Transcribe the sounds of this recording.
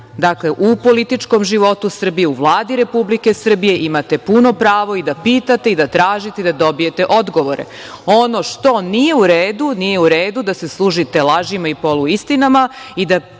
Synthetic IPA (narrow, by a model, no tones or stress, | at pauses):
d̪akleʔupo̞lit̪it͡ʃko̞mʒiʋo̞t̪usr̩bijeuʋlˠaːd̪iɾe̞publike̞sr̩bije̞ʔimat̪e̞puno̞pɾaːʋo̞id̪apiːt̪at̪e̞id̪at̪ɾaːʒit̪ed̪ad̪o̞bije̞t̪e̞ʔo̞d̪ɡo̞ʋo̞ɾe̞̰ | o̞no̞ʃt̪o̞nije̞uɾeːd̪unije̞uɾeːd̪ud̪ase̞slˠuːʒit̪e̞lˠaʒimaipo̞luist̪inamaid̪a